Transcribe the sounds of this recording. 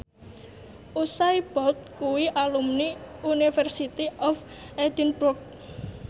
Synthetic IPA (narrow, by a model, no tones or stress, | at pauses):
ʔusajb̥ɔt̪̚kuwiʔalumniunifərsit̪iɔf | ɛd̪inburk̚